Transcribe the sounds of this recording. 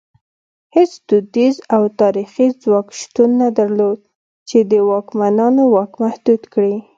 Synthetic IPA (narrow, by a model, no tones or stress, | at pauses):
het͡sd̪ʊd̪izawt̪ɑɾixizwɑkʃt̪unːad̪aɾlod̪̚ | t͡ʃed̪əwɑkmanɑnowɑkmahd̪ud̪kɽi